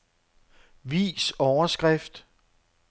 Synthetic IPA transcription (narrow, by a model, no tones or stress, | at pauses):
ʋḭːsɒʊɐsɡ̥ʁɛfd̥